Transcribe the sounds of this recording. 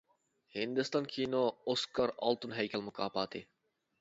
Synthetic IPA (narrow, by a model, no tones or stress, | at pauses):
hind̪ɪst̪ɑnkʲʰinooskʰɑɾɑ̰lˠt̪unɦɛjkʲɛlˠmʊkʰɑːpɑːt̪ʰɪ